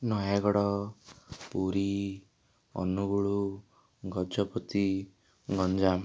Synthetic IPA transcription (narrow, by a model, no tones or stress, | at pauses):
nɔjaɡɔɽɔ | puɾi | ɔ̰nuɡuɭu | ɡɔd͡ʒɔpɔt̪i | ɡɔnd͡ʒam